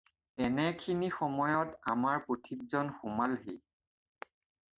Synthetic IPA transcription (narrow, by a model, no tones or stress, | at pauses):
ɛnɛkʰinixɔmɔjɔtamaɹpotʰik̚zɔnxʊmalɦi